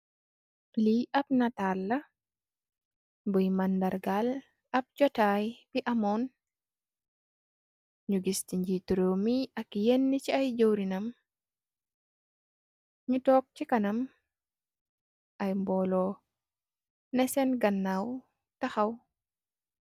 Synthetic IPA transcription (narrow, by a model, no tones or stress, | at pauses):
liʔap̚natalːɐ | bɔjmandaɾɡal | ɐp̚d͡ʒɔtajb̥iʔamɔn | ɲuɡistiɲd͡ʒituɾomiʔɐkjenːit͡ʃiajd͡ʒowɾinam | ɲutɔːk̚t͡ʃikanam | ʔajmbɔːlɔ | nɛsɛnɡɐnːaw | taxaw